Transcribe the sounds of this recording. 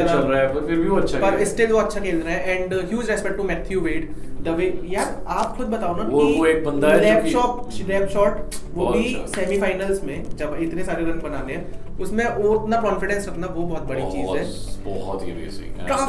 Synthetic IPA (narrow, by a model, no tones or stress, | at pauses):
t͡ʃɐlɾaɛmeɾbʱiʋoɐtːʃʰapɐɾɪsʈɪlʋoɐtːʃʰakeːlɾaːɦɛʔɛ̃ːɳɖɦjuːd͡ʒɾɛspɛk̚ʈumɛːt̪ʰjuʋeːɖd̪əʋeːjaːaːpxʰʊd̪bɐt̪aːõnaooeːk̚bɐ̃nd̪alɛːpɔːp̚lɛːp̚ʃɔːʈʋobʱisɛːmifaːɪnəlsmẽd͡ʒɐbɪt̪nesaːɾeɾɐ̃ŋɡbɐnaːneɦɛ̃ʊsmẽʔoːɾɪt̪nakɔ̃ːnfɪɖɛ̃nsɾɐknaʋobɔːɔt̪̚bɐɽit͡ʃiːzɦɛ̃bɔ̰ɦɔt̪ɦḭɾḭsiʈɾɐka